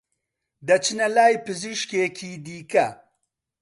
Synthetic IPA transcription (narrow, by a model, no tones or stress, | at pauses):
d̪ɐt͡ʃʰinɐlaːjpɨziʃkeːkʰiːd̪iːkɐ